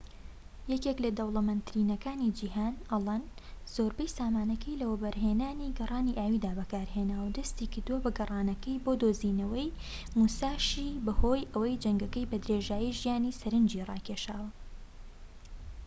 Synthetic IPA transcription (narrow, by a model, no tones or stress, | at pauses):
jɛkeklɐd̪ɐwlˠɐmɐnt̪ɾiːnɐkaːnid͡ʒiːɦaːnɐlˠɐn | z̥oːɾbɐjsaːmaːnɐkʰɐjlɐwɐbɐɾɦeːnaːniɡɐrˤɑːniʔaːwiːd̪aːbɐkaːɾɦeːnaːwɐd̪ɐst̪iːkɨɾd̪uwɐbɐɡɐrˤɑːnɐkɐjboːd̪oːziːnɐwɐj | musaːʃiːbɐho̞ːjʔɐwɐjd͡ʒɐŋɡɐkɐjbɐd̪ɾeːʒaːjiʒijaːnisɐɾɨnd͡ʒiːrˤɑ̰ːkʰeʃaːwɐ